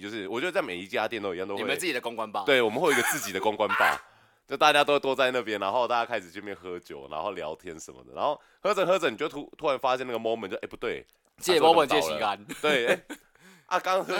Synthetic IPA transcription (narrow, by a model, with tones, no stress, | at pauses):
t͡ɕjo˥˧ʊʂɻ̩˥˩wɔ˨˩t͡ɕjt͡sme˨˩i˧˥t͡ɕja˦t̪jɛ˥˧nt̪o˥˩˨ja˥˧˩t̪o˧˨we˥ə˦nɹ̩˥˩t͡ɕi˨˩d̪ə˧ko˥ŋkwa˦npɑ˥˨twe˩ɪwɔ˨˩mə˨nxwe˥˩˨ɡə˧t͡sɹ̩˥˩t͡ɕi˨d̪ə˩˦ko˥˦ŋkwa˦npɑ̰˥˨ʊ | t͡ɕjo˥˧˩t̪a˥˧t͡ɕja˥t̪o˥we˥˩t̪ɔ˥a˥˧ɪna˥˩p̬jɛ˥nːa˧˥nxo˥˧ʊt̪a˥˧˩t͡ɕja˥kʰa˥ɪʂɻ̩˨˩t͡ɕʰy˥˧˥mjɛ˥˩xɤ˧˦t͡ɕjo˨˩ʊna̰˧˥nxo˥˩ʊljɑ̰˧˥ʊt̪ʰjɛ˥nʂə̰˨˦mə̰˩d̪ə̰˩na̰˧˦nxo˥˩ʊ | xɤ˥ʈ͡ʂɤ˨˩ŋxɤ˧˥ʈ͡ʂə˧˩ni˨t͡ɕu˥t̪ʰu˥ɻa˧˦nfa˥ɕ̬jɛ˥˧na˥˩ɡə˩mɔ˥mə˨˦t͡ɕjo˥˧˩pu˧t̪we˥˩ɪ | t͡ɕjɛ˥˩ɔ˥mə˧˨nt͡ɕjɛ˥˧˨iə˦a˧˦nt̪we˥˨˩e˥˩ | ʔa˥˩kɑ˥ŋx